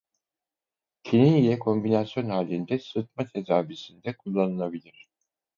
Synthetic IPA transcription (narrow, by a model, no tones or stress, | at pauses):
cʰiniijɛkʰo̞mbinasjo̞nhaːlʲːind̪ɛsɯt̪̚mat̪ʰe̞d̪aːvisind̪ɛkʰulˠːanɯlˠabilʲiɾ̝̥